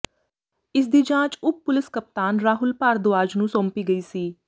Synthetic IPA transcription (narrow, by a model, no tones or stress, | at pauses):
ɪs̬d̪iːd͡ʒãːt͡ʃʊp̚ːʊlɪskəp̚t̪aːnɾaːɦʊlpaːɾd̪ʊaːd͡ʒnũːsõːmpiːɡəiːsiː